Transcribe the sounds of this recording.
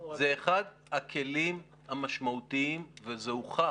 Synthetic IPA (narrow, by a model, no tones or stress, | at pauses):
zeːχad | hakʰe̞lim | hamaʃmaut̪iimvezeuχa